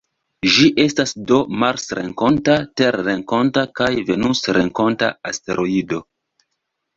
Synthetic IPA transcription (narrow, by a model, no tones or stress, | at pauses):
ʒiʔe̞stasdo̞maɾsɾḛŋko̞ntate̞ɾːeŋko̞ntakajve̞nusɾe̞ŋko̞nta̰aste̞ɾʔo̞ido̞